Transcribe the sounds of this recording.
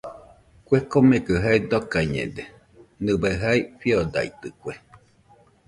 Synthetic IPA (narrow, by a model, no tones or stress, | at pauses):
kwekomekəɦaid̪okajɲḛd̪e | nɨbaɦaiɸiod̪a̰ḭt̪ɨkʷe